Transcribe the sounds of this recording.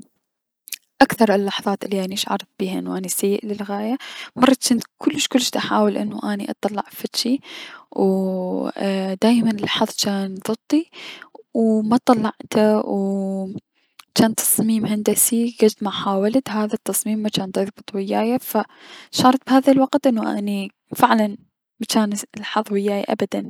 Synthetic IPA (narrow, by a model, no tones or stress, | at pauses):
ʔakθɑɾˤɪlːɑħðˤɑːt̪ʔɪlːiʔaniʃʕɑ̰ɾˤɑtb̥iːhaʔɪnːuʔanisajːɪʔlɪlɣaːjamɑrˤːɑt͡ʃɪnt̪kʊlːɪʃkʊlːʃt̪ʔaħaːwɪlʔɪ̰nːuʔaniʔɑ̰t̪ˤɑlːɑʕfat̪ʃiw | d̪aːjmanɪlɑħɑðˤt͡ʃaːnðˤɨt̪ˤːi | wmat̪ˤɑlːɑʕt̪ʰaw | t͡ʃaːnt̪ʰɑ̥sˤmiːmhand̪asiɡad͡ʒt̪maħaːwalt̪ɦaːðat̪ːɑsˤmiːmːat͡ʃaːnd̪ˤɑðbɨt̪ˤwɪjːaːjafaʃɑːɾˤɑt̪̚bhaːðalwaqt̪ʔɪnːuʔa̰ːni | fɪʕlan | mat͡ʃaːnlħɑðˤwɪjːaːjaʔa̰bad̪an